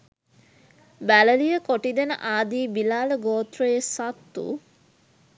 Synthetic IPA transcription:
bæləlijəkoʈid̪enə̰ʔaːd̪iːbilaːləɡoːt̪ɾəjesat̪ːṵ

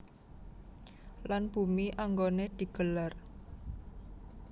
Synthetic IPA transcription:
lanb̥ṳmiʔaŋɡoned̪̥i̤ɡ̥əlar

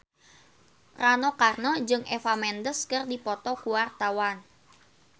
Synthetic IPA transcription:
ranɔkarnɔd͡ʒɨŋʔefamɛndəskɨrdipɔt̪ɔkuwart̪awan

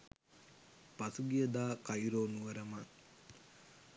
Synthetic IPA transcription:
pasuɡijəd̪aːkajɾoːnuʋɐɾɐman

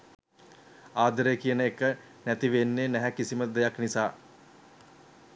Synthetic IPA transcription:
aːd̪əɾekijənəekːə | næt̪iʋenːenæɦɛkisiməd̪ejaknisaː

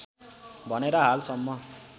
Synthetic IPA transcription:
bʱʌneɾʌɦalsʌmːʌ

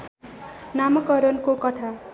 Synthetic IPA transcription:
namʌkʌɾʌnkokʌʈ̪ʰa

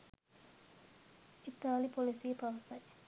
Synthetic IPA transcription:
it̪aːlipolisiːpɐʋɐsɐj

